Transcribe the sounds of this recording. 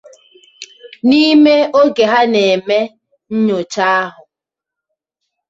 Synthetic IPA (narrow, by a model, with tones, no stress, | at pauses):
ni˦me˦o˦ɡe˨ɦa˦ne˨me˦ | ɲ̩˦ɲo˨t͡ʃa˦ɦʊ˨